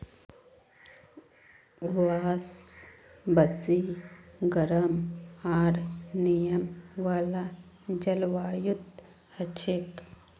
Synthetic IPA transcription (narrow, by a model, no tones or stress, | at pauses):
ʋaːs | bɐsiɡɐɾəmaːɾnijɐmʋaːla | d͡ʒɐlʋaːjut̪ | hɐt͡ʃʰek